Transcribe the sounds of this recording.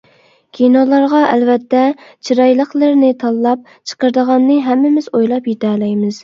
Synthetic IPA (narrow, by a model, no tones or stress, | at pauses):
kʲʰinolˠɑɾʁɑʔɛ̰lvɛt̪ːɛt͡ʃʰiɾɑjlˠəχlˠəɾnɪt̪ʰɑlˠːɑp̚ | t͡ʃʰə̥qəɾd̪əʁɑnːɨɦɛmːɪmɪz̥ojlˠɑpjit̪ɛːlɛjmɪz̥